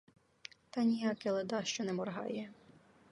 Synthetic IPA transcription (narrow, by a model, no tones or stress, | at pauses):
t̪ɑnʲijɑkɪlˠed̪ɑʃt͡ʃɔnɛmɔrɦɑ̰jɛ